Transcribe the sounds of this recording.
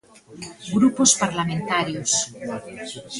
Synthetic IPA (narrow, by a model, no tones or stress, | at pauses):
ɡɾupospaɾlamẽnt̪aɾjos